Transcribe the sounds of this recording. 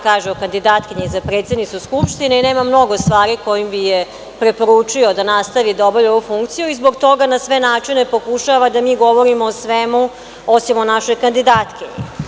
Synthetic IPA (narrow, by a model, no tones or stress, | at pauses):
kaːʒeokand̪id̪aːt̪kiɲezapɾe̞ːt̪sed̪nit̪uskupʃt̪ineineːmamno̞ɡo̞st̪ʋaːɾiko̞jimbije | pɾe̞po̞ɾut͡ʂiod̪anast̪aʋid̪aoboʎoʋufuŋkt̪sijuizbo̞ɡt̪o̞ɡanasʋe̞naːt͡ʂine̞po̞kuʃaʋad̪amiːɡo̞ʋoɾimoːsʋemu | osimonaʃo̞jkand̪id̪aːt̪kiɲḛ